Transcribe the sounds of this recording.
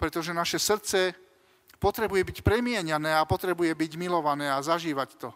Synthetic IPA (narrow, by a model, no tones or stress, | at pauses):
pɾɛt̪ɔʒɛnaʃɛsr̩t͡sɛ | pɔt̪ɾɛbujɛbicpɾɛmɪɛɲanɛːapɔt̪ɾɛbujɛbiɟmilɔʋanɛːazaʒiːʋact̪ɔ